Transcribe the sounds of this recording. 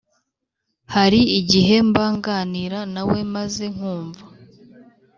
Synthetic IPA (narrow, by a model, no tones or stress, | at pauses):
haɾiiɟiɦe̞mbaːŋɡaːniɾanawe̞maze̞ŋ̥huːɱva